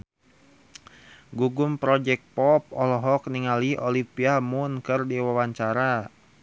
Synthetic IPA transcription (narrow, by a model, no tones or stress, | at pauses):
ɡuɡumpɾɔd͡ʒɛk̚pɔp̚ɔlɔɦɔk̚niŋaliɔlipiamʊnkɨrdiwawaɲt͡ʃaɾa